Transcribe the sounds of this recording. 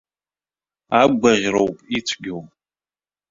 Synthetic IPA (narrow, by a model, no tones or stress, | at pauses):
aɡʷaʁʲrowpʼit͡ʃʷʰɡʲow